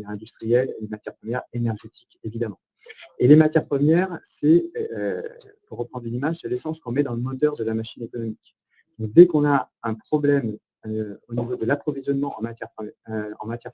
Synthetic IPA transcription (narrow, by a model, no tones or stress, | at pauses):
ɛʁɛ̃d̪yst̪χijɛllemat̪jɛʁpχəmjɛʁenɛʁʒet̪ʰi̥kevid̪amɑ̃ | elemat̪jɛʁpχəmjɛʁsɛøpuʁːəpχɑ̃d̪ʁynimaʒselesɑ̃skɔ̃mɛd̪ɑ̃ləmɔt̪œʁd̪əlamaʃinekɔnɔmik | d̪̥ɔ̃k̚d̪ɛkɔ̃naɛ̃pχɔblɛm | øonivod̪əlapχɔvizjɔnmɑ̃ɑ̰̃mat̪jɛʁpɑ̰̃mat̪jɛ